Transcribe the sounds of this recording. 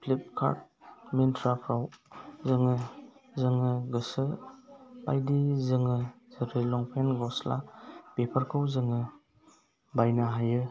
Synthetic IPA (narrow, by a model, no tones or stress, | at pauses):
pʰlip̚kʰa̰ɾt̚mintʰɾapʰɾawzɯŋɯzɯŋɯɡɯsɯ | ba̰jdizɯŋɯzɯɾilɔŋpʰenɡɔsla̰pepʰəɾkʰɯwzɯŋɯ | bajnaɦajɯ